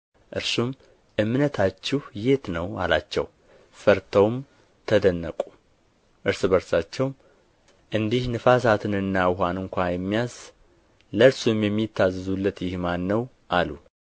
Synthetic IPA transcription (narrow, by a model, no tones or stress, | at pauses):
ʔɨɾsum | ʔɨmnət̪ʰat͡ʃːɪhjet̪nəwa̰lat͡ʃːɛ̰w | fəɾt̪ʰəwm | t̪ʰəd̪ənːəkʼu̥ | ʔɨɾsɨbəɾsat͡ʃːɛwm | ʔɨnd̪ihnɨfas̬at̪ʰɨnɨnːawɦanɨŋkʷajɛmːijaz̥ | ləɾsumjɛmːit̪ʰːazɨzulːət̪jɪhmanːəw | ʔalu